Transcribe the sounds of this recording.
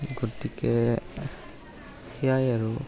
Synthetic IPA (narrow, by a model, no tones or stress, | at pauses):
ɡotikɛ | xijajaɹu